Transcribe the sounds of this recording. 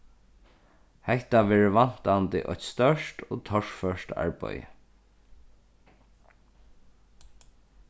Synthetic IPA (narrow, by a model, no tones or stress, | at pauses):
hɛht̪aʋɛːɹəʋan̥t̪ant̪ɪ̰ʔɔ̰çt̪st̪œʂtoːt̪ʰɔʂfœʂta̰ɹpœ̰jə̰